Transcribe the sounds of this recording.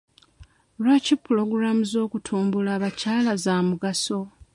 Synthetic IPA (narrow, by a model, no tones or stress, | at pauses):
lwacipːulo̞ɡɾamuzo̞ːkutʰuːmbulaːβacaːlazaːmuɡaso̞